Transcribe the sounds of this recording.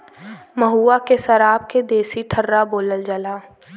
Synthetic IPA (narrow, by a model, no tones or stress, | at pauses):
mɐɦuːakesɐɾaːb̚ked̪eːsiʈʰəɾːaboːləld͡ʒəlaː